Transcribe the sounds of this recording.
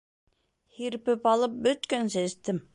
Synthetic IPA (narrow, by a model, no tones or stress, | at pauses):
hiɾpɘpɑlˠɤp̚bɵt̪kænsæst̪ɘm